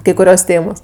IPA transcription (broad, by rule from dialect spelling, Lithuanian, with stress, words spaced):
kɐɪ kʊˈrʲoːs ˈtʲeːmoːs